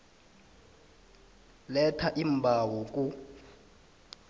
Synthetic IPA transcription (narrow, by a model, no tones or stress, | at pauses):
lɛtʰaʔimbʱawɔkʼu